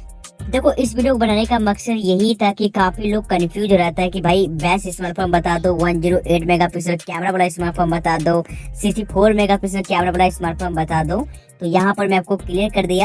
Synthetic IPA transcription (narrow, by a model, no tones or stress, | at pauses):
d̪eːkʰoʔɪsʋiːɖijokobɐnaːnekamɐksəd̪jɐɦit̪ʰakikaːfiloːɡ̚kɐnfʰjuːzɾɛɦt̪aɦɛkibʱaːiʋɛːsɪsmaːɾʈt̪fʰəːmbɐt̪aːd̪õʋɐnd͡ʒiːɾoʔeːʈmeːɡapɪs̬əɾkɛːmɾabəɽaɪsmaːɾʈfəːmbɐt̪aːd̪õːsisipʰoːɾmeːɡapɪs̬əɾkɛːmɾabɐɽaɪsmaːɾt̪foːmbɐt̪aːd̪õː | t̪ojɐɦãpɐɾmɛ̃aːp̚kokliːəɾkɐɾd̪ijaː